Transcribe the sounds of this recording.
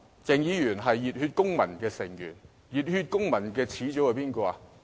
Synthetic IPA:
t͡sɪ˨ŋjiː˨˧jyː˨˩nɦɐ˨jːiː˨t̚hyː˧t̚kʊ˥ŋmɐ̰˨˩nkɛː˧sɪ˨˩ŋjy̰˨˩n | jiː˨˩t̚hy˧t̚kʊ˥ŋmɐ˨˩nkɛː˧t͡sʰiː˨˥t͡sɔ˨˥whɐ˨˧jpiː˥nkɔː˧a˧

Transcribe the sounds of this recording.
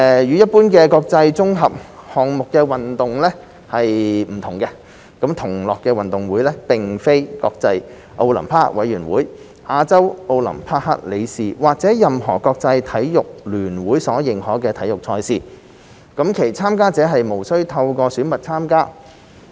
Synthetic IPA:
ɛː˨jyː˨˧jɐ˥t̚pːuː˥nkɛː˧kɔː˧k̚t͡sɐ˧jt͡sʊ˥ŋɦɐ˨p̚hɔː˨ŋ̚mʊ˨kːɛː˧wɐ˨nt̪ʊ˨ŋlɛː˥ | hɐ˨jm̩˨˩t̪ʰʊ˨˩ŋkɛ˧ | kɐ˨˥mt̪ʰʊ˨˩ŋlɔː˨kːɛː˧wɐ˨nt̪ʊ˨ŋwuː˨˥jlɛ˥pɪ˨ŋfe˥jkɔ̰ː˧k̚t͡sɐ˧j | ʔo˧wlɐ̰˨˩mpʰaː˥wɐ˨˥jyː˨˩nwuː˨˥j | ʔaː˧t͡sɐ˥wʔo˧wlɐ̰˨˩mpʰaː˥ha̰ː˥t̚le˨˧jsiː˨˩waː˨˩k̚t͡sɛː˨˥jɐ˨mɦɔː˨˩kɔː˧k̚t͡sɐ˧jt̪ʰɐ˨˥jjʊ˨k̚lyː˨˩nwuː˨˥jsɔː˨˥jɪ˨ŋhɔː˨˥kɛː˧t̪ʰɐ˨˥jʊ˨k̚t͡sʰɔː˧jsiː˨˧ | kɐ˨˥mkʰe˨˩jt͡sʰaː˥mkaː˥t͡sɛː˨˥ɦɐ˨jmo˨˩wsɵ˥ɥt̪ʰɐ˧wkɔː˧syː˨˥nmɐ˨t̚t͡sʰaː˥mkaː˥

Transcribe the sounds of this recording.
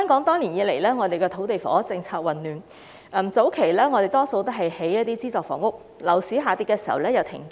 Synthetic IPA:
hœː˥ŋkɔː˨˥ŋt̪ɔː˥ŋli˨˩njiː˨˧le˨˩jlɛː˥ŋɔː˨˧e˨jkɛː˧t̪ʰo˨˥wt̪e˨jfɔ̰ː˨˥t͡sɪ˧ŋt͡sʰaː˧k̚wɐ˨˩nːyː˨˩n | ɛ˨˩mt͡so˨˥wkʰe˨˩jlɛː˥ŋɔː˨˧te˨˩jt̪ɔː˥so˧wt̪ɦɐ˨jhe˨˥jɐ˥t̪iː˥t͡siː˥t͡sɔː˨˩kfɔ̰ː˨˩ŋʊ˥k̚ | lɐ˨˩wsiː˨˥ɦaː˨˧t̪iː˧kːɛː˧siː˨˩hɐ˨˩wlɛː˥jɐ˨˧wt̪ʰɪ̰˨˩ŋk

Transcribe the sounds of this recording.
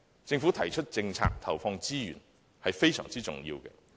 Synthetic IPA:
t͡sɪ˧ŋfuː˨˥t̪ʰɐ˨˩jt͡ʃʰɵ˥t̚t͡sɪ˧ŋt͡sʰa̰ː˧k̚t̪ʰɐ˨˩wfɔː˧ŋt͡siː˥jy̰ː˨˩n | hɐ˨jfe˥jsœː˨˩ŋt͡siː˥t͡sʊ˨ŋjḭː˧wkɛ̰˧

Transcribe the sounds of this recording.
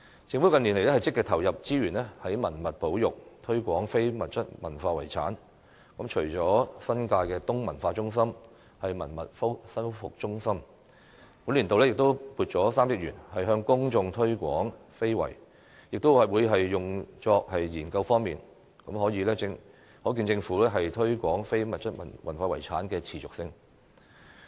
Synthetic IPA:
t͡sɪ˧ŋfuː˨˥wkɐ˧ni˨˩nle˨˩jlɛ˥hjt͡sɪ˥kːɛː˧t̪ʰɐ˨˩wjɐ˨p̚t͡siː˥jyː˨˩nlɛː˥hɐ˨˥jmɐ˨˩nmɐ˨t̚po˨˥wjʊ˨k̚t̪ʰɵ˥ɥkʷɔː˨˥ŋfe˥jmɐ˨t̚t͡sɐ˥t̚mɐ̰˨˩nfaː˧wɐ˨˩jt͡sʰa̰ː˨˥n | kɐ˨˥mt͡ʃʰɵ˨˩jt͡sɔː˨˥sɐ˥nkaː˧jkɛː˧t̪ʊ˥ŋmɐ˨˩nfaː˧t͡sʊ˥ŋsɐ˥m | hɐ˨jmɐ̰˨˩nmɐ̰˨t̚fʊ˥ksɐ˥nfʊ̰˨k̚t͡ʃʊ˥ŋsɐ˥m | kʊ˨˥nli˨˩nt̪o˨wlɛ˥jɪ˨k̚t̪o˥wpuː˧t̚t͡ʃɔː˨˥saː˥mjɪ˥k̚jyː˨˩nhɐ˨jɦœː˥ŋkʊ˥ŋt͡ʃʊ˧ŋt̪ʰɵ˥ɥkʷɔ̰ː˨˥ŋfe˥jwɐ̰˨˩j | jɪ˨k̚t̪o˥wɐ˨wuː˨˧jɦɐ˨jːʊ˨ŋt͡ʃɔː˧k̚hɐ˨jjiː˨˩nkɐ˧wfɔː˥ŋmiː˨n | kɐ˨˥mhɔː˨˥jiː˨˧lɛː˥t͡sɪ˧ŋ | hɔː˨˥k̬i˧nt͡sɪ˧ŋfuː˨˥lɛ˥ɦɐ˨jt̪ʰɵ˥ɥkʷɔː˨˥ŋfe˥jmɐ˨t̚t͡sɐ˥t̚mɐ̰˨˩nmɐ̰˨˩nfaː˧wɐ̰˨˩jt͡sʰaː˨˥nkɛː˧t͡sʰiː˨t͡sʊ˨k̚sɪ˧ŋ

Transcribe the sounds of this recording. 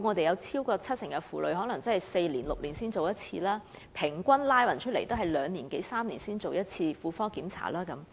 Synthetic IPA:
ŋɔː˨˧t̪e˨jɐ˨˧wt͡sʰiː˥wkɔː˧t͡sʰɐ˥t̚sɪ˨˩ŋɡɛ˧fuː˨lɵ̰˨˧ɥɦɔː˨˥lɐ˨˩ŋt͡sɐ˥nhɐ˨jse˧jliː˨˩nlʊ˨k̚liː˨˩nsiː˥nt͡so˨wjɐ˥t̚t͡sʰḭː˧laː˥ | pʰɪ˨˩ŋkʷɐ˥nlaː˥jwɐ˨˩nt͡ʃʰɵ˥t̚le˨˩jt̪o˥wɦɐ˨jlœː˨˧ŋniː˨˩nke˨˥jsaː˥mliː˨˩nsiː˥nt͡so˨wjɐ˥t̚t͡sʰiː˧fuː˧fɔː˥kiː˨˥mt͡sʰa̰ː˨˩laː˥kɐ˨˦m

